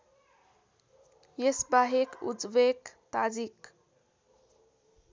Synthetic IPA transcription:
jesbaɦekṵd͡zwekt̪ad͡zik

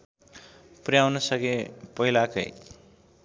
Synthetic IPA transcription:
prjawnʌsʌɡepʌilakʌ̰j

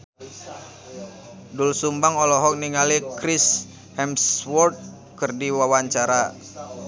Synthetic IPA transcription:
dulsumbaŋɔlɔɦɔk̚niŋalikɾis | hɛmswɔrt̪̚ | kɨrdiwawaɲt͡ʃaɾa

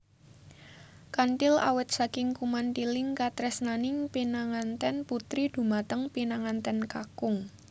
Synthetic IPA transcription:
kanʈɪla̰wɪt̪̚sakɪŋkumant̪ilɪŋkat̪ɾɛsnanɪŋpinaŋant̪ɛnput̪ɾid̪̥ṳmat̪əŋpinaŋant̪ɛnkakʊŋ

